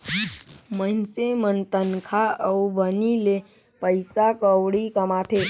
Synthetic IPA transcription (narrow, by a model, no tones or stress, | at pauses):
mənsemənt̪ənkʰaəubənile | pəɪsakəwɽikəmaʈ̪ʰe